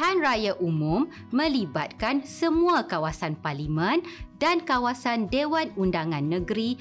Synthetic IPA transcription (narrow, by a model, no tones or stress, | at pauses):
ɦanrajaʔumũmː | ə̃libat̪̚kansəmũakawasanparlimə̃ndankawasandewanundaŋãnːə̃ɡɾi